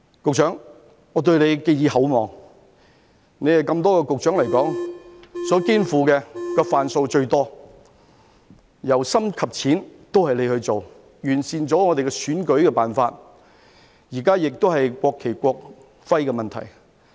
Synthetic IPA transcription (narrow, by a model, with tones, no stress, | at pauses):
kʊ˨k̚t͡ʃʰœː˨˥ŋ | ŋɔː˨˧t̪ɵ˧ɥne˨˧jke˧jiː˨˧ɦɐ˨˥wmɔː˨ŋ | ne˨˧jhɐ˨jkɐ˧mt̪ɔː˥kɛ˧kʊ˨k̚t͡ʃœː˨˥ŋlɐ˨˩jkɔː˨˥ŋ | sɔː˨˥kiː˥nfuː˨˧kɛː˧kɔː˧faː˨nso˧wt͡ʃɵ˧ɥt̪ɔː˥ | jɐ˨˩wsɐ˥mkʰɐ˨p̚t͡sʰiː˨˥nt̪o˥whɐ˨jle˨˧jhɵ˧ɥt͡so˨w | jyː˨˩nsiː˨nt͡sɔː˨˥ŋɔː˨˧t̪e˨kɛ˧syː˨˥nkɵ˨˥kɛː˧paː˨nfaː˧t̚ | jiː˨˩kaː˥jɪ˨k̚t̪o˥whɐ˨jkʷwɔː˧kʰːe˨˩jkʷɔː˧k̚ | fɐ˥jkɛ˧mɐ˨nt̪ʰɐ̰˨˩j